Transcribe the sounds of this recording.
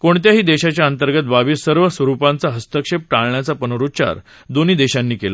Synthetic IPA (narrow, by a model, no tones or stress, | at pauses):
koɳt̪jaɦiːd̪eɕat͡ɕjaənt̪əɾɡət̪̚baʋiːsəɾʋəsʋəɾupant͡saɦəst̪əkʂep̚ʈaɭɳjat͡sapənoɾut͡ɕa̰ɾ | d̪oniːd̪eɕanːiːkela